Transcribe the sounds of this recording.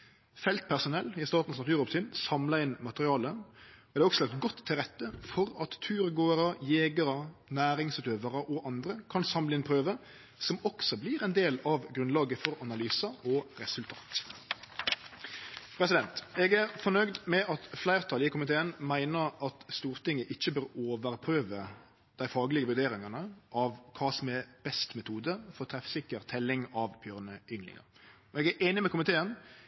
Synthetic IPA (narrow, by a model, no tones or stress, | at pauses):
fɛlt̪̚pʰæʁsʊnɛlːɪst̪ɑːt̪n̩snɑt̪ʉːɾɔpsɪnsɑmlɑɪnmɑt̪əʁɪɑːləɔd̪d̪ɛːɔkslɑkt̪ɡɔt̪ʰːɪlʁɛt̪ːəfɔɾɑt̪ʰːʉːɾɡoːəɾəjeːɡəɾənæːɾɪŋsʉːt̪øːʋəʁəʔɔʔɑnd̪ɾəkʰɑnsɑmlɪnpʰʁøːʋə | sɔmɔksɔblɪʁɛnd̪eːlɑʋɡɾʉnlɑːɡəfɔɾɑnɑlyːsɑɔɾɛsʉlt̪ʰɑ̰ːt̪ | pʰɾɛs̬ɪd̪ɛnt̪ɛːɡæʁfɔnœɡd̪mɛʔɑt̪flæɪʁt̪ʰɑlɪkʊmɪt̪ʰeːənmæɪnəʁɑt̪st̪uːʁt̪ɪŋːəʔɪçːəbøːʁoːʋəɾpʰɾøːʋə | d̪̥æɪfɑːɡlɪɡəʋʉɾd̪eːɾɪŋɑnəʔɑʋkʰɑːsɔmɛb̥ɛst̪mɛt̪ʰuːd̪əfɔʁt̪ʰɾɛfsɪkːəɾt̪ʰɛlːɪŋɑʋb̥jøːʁnəʏŋlɪ̰ŋɑ̰ɾ | ɔɛɡæʔeːnɪmɛkʊmɪt̪ʰeːən